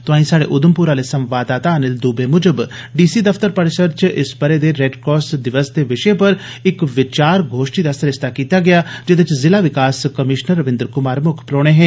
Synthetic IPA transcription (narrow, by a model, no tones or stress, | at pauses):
t̪ʊãːĩːsaːɽḛːʔʊd̪əmpuɾaːlesə̃mʋaːd̪aːt̪aːnɪld̪uːbemʊd͡ʒəbɖiːsid̪əfʰt̪əɾpəɾɪsəɾt͡ʃɪsbəɾeːd̪eːɾɛːɖkɔːsd̪ɪʋəsd̪eːʋɪʃepəɾ | ɪkʋɪt͡ʃaːɾɡʱoːʃʈiːd̪aːsɐɾɪst̪ʰaːkiːt̪aːɡɪjaːd͡ʒed̪ɪt͡ʃzɪlaːʋɪkaːskəmɪʃnəɾːəʋɪ̃nd̪əɾkʊmaːɾmʊkʰpɾoːɽ̃eːɦɛ̃ː